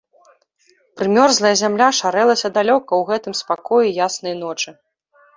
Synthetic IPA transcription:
pɾɨmʲɔrzlˠɐjɐzʲamlʲaʂaɾɛlˠɐsʲɐd̪alʲɔkɐwɣɛt̪ɨmspakɔjujasnɐjnɔt͡ʂɨ

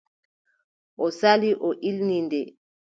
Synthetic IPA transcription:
ʔɔsaliʔɔʔilnindɛ

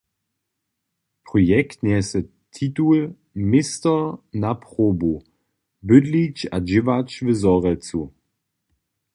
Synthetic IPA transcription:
pʁɔjɛktnɛsə | tʰitul | mɪstɐnapʁoːbu | bʏdlit͡ʃa̰d͡ʒɪvat͡ʃvəzɔʁɛt͡su

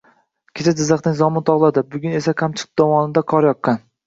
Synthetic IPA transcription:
kʲʰet͡ʃʰad͡ʒɪzːɑχnɪŋzɒmɪnt̪ʰɒʁlˠad̪ɪbʊɡʲʊne̞sakʰamt͡ʃʰɨ̥qɨ̥p̚d̪ɒvɒnɪd̪akʰɒɾjɒqːɑn

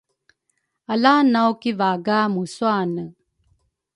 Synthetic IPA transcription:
ɐlaːnawkivaːɡaːmusuaːnə

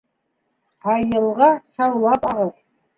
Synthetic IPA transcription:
t̪ʰɑjəlˠʁɑsɑwlˠɑpɑʁəɾ

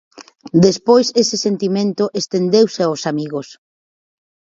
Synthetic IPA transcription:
d̪espojsesɪsent̪imẽnt̪ʊʔest̪end̪ewseaosamiɣos

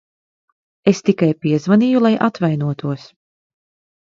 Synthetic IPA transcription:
est̪ikajpiɛzvanijulˠajʔat̪vajnuɔt̪uɔs

